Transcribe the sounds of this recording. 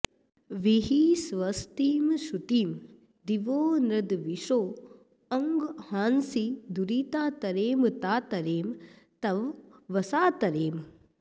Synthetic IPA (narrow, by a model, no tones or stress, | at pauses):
ʋiɦisʋɐst̪iːmʃut̪iːm | d̪iʋoːnɾɐd̪ʋiʃoː | ɐŋɡhaːnsid̪uɾiːt̪aːt̪ɐɾeːmt̪aːt̪ɐɾeːm | t̪ɐʋːɐsaːt̪ɐɾeːm